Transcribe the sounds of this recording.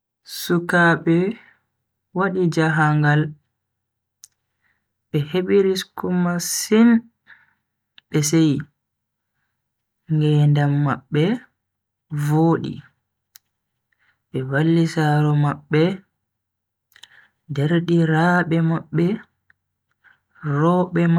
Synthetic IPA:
sukaɓɛ | waɗid͡ʒaɦaŋɡal | ɓɛheɓiɾiskumasin | ɓɛs̬ej | ŋɡɛːndamːaɓːɛ | voːɗḭ | ɓɛvalːisaɾɔmaɓːɛ | dɛɾɗiɾaɓɛmaɓːɛ | rɔɓɛm

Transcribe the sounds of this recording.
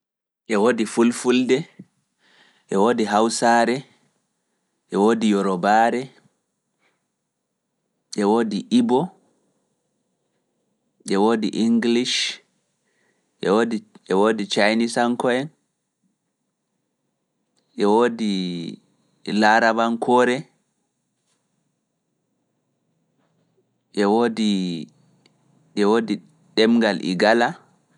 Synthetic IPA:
ʔɛwoːdifulfuldɛ | ʔɛwoːdiɦawsaɾɛ | ʔɛwoːdijɔɾɔbaɾɛ | ʔɛwoːdiʔibɔ | ʔɛwoːdiʔiŋɡliʃ | ʔɛwodiʔɛwoːdit͡ʃajnisaŋkɔɛn | ʔɛwodi | laɾabankʰɔːɾɛ | ʔɛwodi | ɛwodi | ɗɛmɡalʔḭɡala

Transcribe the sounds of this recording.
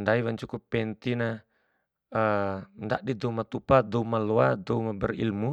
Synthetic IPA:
ndaiwaɲt͡ʃukupɛnt̪ina | əndaʔdidɔumat̪upadɔumalɔadɔumabɛrḭlmu

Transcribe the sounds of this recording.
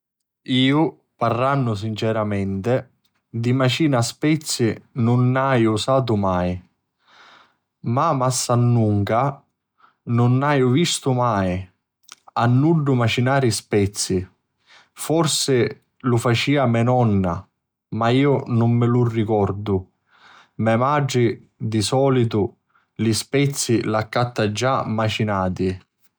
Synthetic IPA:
iːʊ | parːanːʊs̬int͡ʃɛɾamɛnt̪ɪ | d̪imat͡ʃiːnaspɛt̪sːinʊnːajusaːt̪̬ʊmaːj | mamasːanːuŋka | nʊnːaːjʊvist̪ʊmaːj | anːuɖːʊmat͡ʃinaːɾispɛt̪sːi | fɔrsɪ | lufat͡ʃiːamɛnɔnːa | maiːʊnʊmːɪlurːikɔrd̪ʊ | mɛmad͡ʒi | d̪isɔːlit̪ʊ | lispɛt̪sːilakːat̪ːad͡ʒːamat͡ʃinaːt̪i

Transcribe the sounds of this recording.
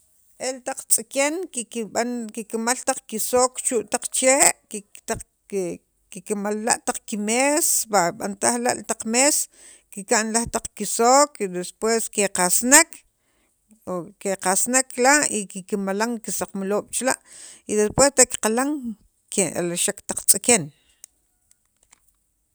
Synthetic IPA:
ʔelt̪aq͡χt͡sʼikeŋkiiɓankikamalt̪aq͡χkisoːkt͡ʃuʔt̪aq͡χt͡ʃeːʔt̪a | kikamalːa̰ʔt̪aq͡χkimesbaɓant̪ahla̰ʔlt̪aq͡χmes | kikaʔnlaht̪aq͡χkisoːkd̪espweskeqasnak | keqasnaklaikikimalaŋkisaq͡χmaloːɓ̥t͡ʃlaʔ | id̪espwest̪eʔkqalaŋ | keʔa̰laʃakt̪aq͡χt͡sʼeken

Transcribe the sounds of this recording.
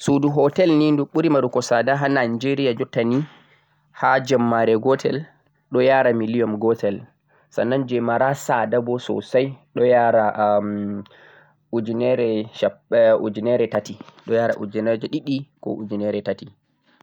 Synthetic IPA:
suduɦɔtɛlninduɓuɾimaɾukɔsadaɦanand͡ʒeɾijad͡ʒɔtːani | had͡ʒamːaɾɛɡɔtʰɛ̰l | ɗɔjaːɾamilijɔmɡɔtʰɛl | sa̰nːand͡ʒɛmaɾasadabɔsɔ̰sajɗɔjaɾa | ud͡ʒinɛɾɛʃaud͡ʒinɛɾɛtatiɗɔjaɾa̰ʔud͡ʒinɛd͡ʒɛɗiɗikɔ̰ʔṵd͡ʒinɛɾɛtati

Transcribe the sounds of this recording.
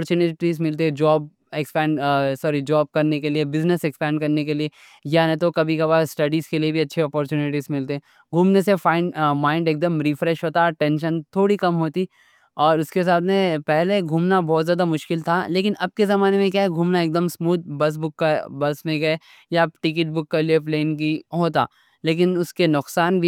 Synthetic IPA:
ɾt͡ʃuːnɪʈizmɪlt̪eɛ̃d͡ʒɔːb̚ | ekspɛ̃ːɳɖsɔːɾid͡ʒɔːb̚kɐɾnekeliebɪznəsɛkspɛ̃ːɳɖ̚kɐɾnekelie | janẽt̪okɐbʱikabaːsʈɐɖizkeliebʱiɐtːʃʰeɔːpɔːɾt͡ʃuːnɪʈiːzmɪlt̪eɦɛ̃ | ɡʱuːmnesefãːɪ̃ɳɖmãːɪ̃ɳɖeːk̚d̪əmɾiːfɾɛʃɦoːt̪aʈɛ̃ːnʃənt̪ʰoːɽikɐmɦoːt̪i | ɔːɾʊskes̬aːt̪̚mẽpɛɦleɡʱuːmnabɔːt̪zjaːd̪amʊʃkɪlt̪ʰaleːkɪnɐb̚kezɐmaːnemẽk̬jaːɦɛɡʱuːmnaeːk̚d̪əmsmuːd̪̚bɐs̬bʊkːabɐsmẽɡɐe | jaʈɪkɪʈ̚bʊkːɐliepleːnkiɦoːt̪a̰ː | leːk̬ɪnʊskenʊqsaːnbʱi

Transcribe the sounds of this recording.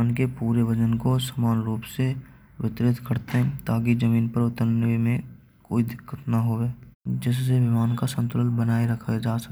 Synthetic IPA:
nkepuːɾeʋəd͡ʒənkosəmaːnɾuːpse | ʋɪt̪ɾɪt̪kəɾt̪eɦɛ̃t̪aːkizəmiːnpəɾʊt̪əɾnəʋimẽ | koːid̪ɪkːət̪nɐɦoːʋeːd͡ʒɪsseʋɪmaːnkasə̃nt̪ʊlənbənaːeɾəkʰad͡ʒaːsə

